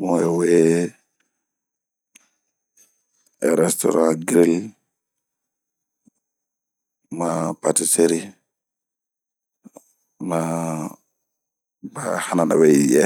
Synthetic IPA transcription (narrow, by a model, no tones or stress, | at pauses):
mɔɛwɛ | ɛɾɛstɔ̰ɾãɡɾil | mapatiseɾi | ma | bahanana̰wɛjɛ